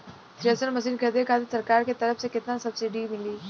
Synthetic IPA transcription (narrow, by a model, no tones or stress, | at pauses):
t̪ɾiəsəɾmɐs̬iːnkʰəd̪ekʰaːt̪isɐɾkaːɾket̪ɐɾəfsekɪt̪nasɐbsɪɖimɪliː